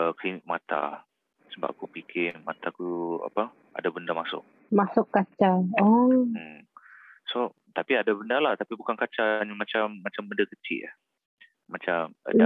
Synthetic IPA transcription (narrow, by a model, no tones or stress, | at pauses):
əklinɪk̚mat̪a̰ | səba̰ʔ̚kupikʰɪnma̰t̪akua̰pa | a̰dabəndamasʊ̰k̚ | masʊkːat͡ʃaɔ | so | t̪apiadabəndalaht̪apibukankat͡ʃaɲmat͡ʃamːat͡ʃambəndakət͡ʃiɪ̰ʔahː | at͡ʃamə̰a